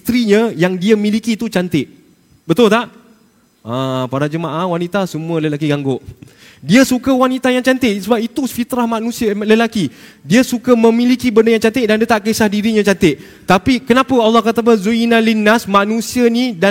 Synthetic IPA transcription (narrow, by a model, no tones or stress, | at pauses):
t̪ɾiɲə̃jaŋdiəmĩlikit̪ut͡ʃant̪ɪʔ | bət̪ʊlt̪aʔ | ʔãpadad͡ʒəmaʔahwanit̪asəmũələlakiɡaŋɡʊʔ | diəsukawanit̪ajaŋt͡ʃant̪ɪʔsəbap̚it̪ufit̪ɾahmãnũsiələlakidiəsukamə̃milikibəndəjãŋt͡ʃant̪ɪʔ̚dandiat̪aʔkisahdiɾiɲãt͡ʃant̪ɪʔ | t̪apikənapəalːɑhkat̪apəzuinalinasmãnũsiənida